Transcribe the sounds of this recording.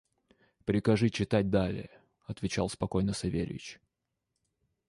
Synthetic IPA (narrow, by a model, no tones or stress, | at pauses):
pɾʲɪkɐʐɨt͡ɕɪt̪at̚ʲd̪alʲɪ̰jə | ɐt̪vʲɪt͡ɕalˠspɐko̞jnəsɐvʲḛɾʲvʲɪ̰t͡ɕ